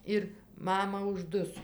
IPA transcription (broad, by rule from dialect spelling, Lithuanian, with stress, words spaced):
ˈɪr ˈmɑːmɐ ʊʒˈdʊsoː